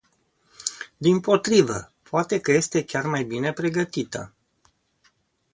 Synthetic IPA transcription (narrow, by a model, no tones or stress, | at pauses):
d̪impo̞t̪ɾivə̰poat̪e̞kəje̞st̪e̞kʲarmajbine̞pɾe̞ɡət̪it̪ə̰